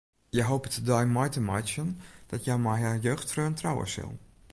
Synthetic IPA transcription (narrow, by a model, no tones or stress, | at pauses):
jɛjɦoːpətədɔjmɔjtəmajt͡ʃənd̥ɔtjɛjmajɦajøːxtfrøntrawə̰sɪ̰lˠ